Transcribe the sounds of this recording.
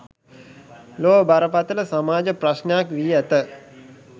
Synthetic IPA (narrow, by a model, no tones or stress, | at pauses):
loːbaɾəpat̪ələsamaːd͡ʒəprasnəjakʋiːæt̪ə